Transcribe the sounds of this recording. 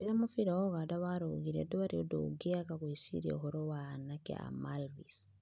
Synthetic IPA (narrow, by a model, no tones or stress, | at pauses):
iɾamufiɾooɣadaβaɾoɣiɾḛduβaɾiodo̰ɡeakakuisḭɾ̰oɦoɾowanakḛa̰malvis